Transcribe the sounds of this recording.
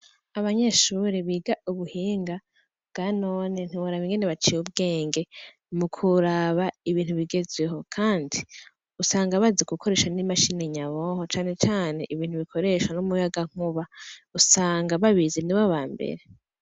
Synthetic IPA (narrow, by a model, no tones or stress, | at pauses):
aβaɲeʃuɾeβiɡauβuhiːŋɡa | bɡ̥aːno̞ːnen̥iβuɾaβiŋɡeneβat͡ʃijub̚ɡe̞ːŋɡe̞ | mukʰuɾaβaiβiːnhuβiɡe̞zweɦo̞kʰaːndi | usaːŋɡaβazekukʰo̞ɾe̞ːʃanimaʃineɲaβoho̞t͡ʃaːne̞t͡ʃaːne̞ʔiβiːn̥huβikʰo̞ɾe̞ʃwanumujaɡaŋ̥uβausaːŋɡaβaβizeniβaβaːmbe̞̰ɾe̞